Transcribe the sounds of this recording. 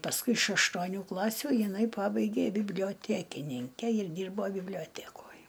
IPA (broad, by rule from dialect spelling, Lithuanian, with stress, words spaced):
pɐsˈkʊɪ ɪʃ ɐʃtuɔˈnʲuː ˈklˠɑːsʲuː jɪˈnɐɪ ˈpɑːbɐɪɡʲeː bʲɪbʲlʲɪjoːˈtʲæːkʲɪnʲɪŋʲkʲɛ ɪr ˈdʲiːrboː bʲɪbʲlʲoːˈtʲæːkoːj